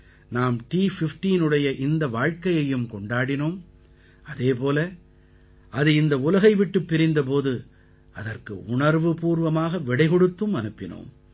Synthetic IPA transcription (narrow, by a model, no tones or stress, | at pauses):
naːmʈiːfɪfʈiːnɯɽɐjɐʔɪnd̪ɐʋaːɻkɐjɐjɯmkɔɳɖaːɽɪnoːm | ɐðeːpoːlɐ | ʔɐðɯɪnd̪ɐʊlɐɣɐɪʋɪʈːɯpːɪɾɪnd̪ɐp̬oːðɯ | ɐðɐrkɯ̰ʊɳɐɾʋɯpuːɾʋɐmaːɣɐʋɪɽɐɪɣɔɽɯt̪ːɯmɐnɯpːɪno̰ːm